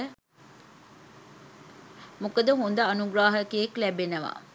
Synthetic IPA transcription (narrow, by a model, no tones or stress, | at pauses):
mukəd̪əɦond̪əːnuɡɾaːɦəkieklæbenəʋa̰